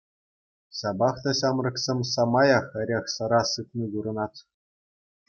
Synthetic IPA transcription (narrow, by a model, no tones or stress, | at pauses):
ɕɑbɑχt̪ɑɕɑmrɤ̆ksʲemʲsɑmɑjɑχɘ̆ɾʲeχsɤ̆ɾɑsɯt̪niduɾɤ̆nɑt̪